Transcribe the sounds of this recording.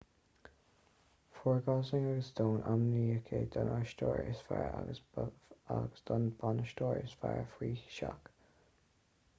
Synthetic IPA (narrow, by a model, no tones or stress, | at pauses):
fɔːɹɡasɪŋaɡəsd̪̥oːnʔamniːəkʰeːd̪ɑnaʃtoːɹɪsfaɹaɡəs | aɡəsd̪̥ɔnbanəʃtoːɹɪsfaɹfɹiːʃak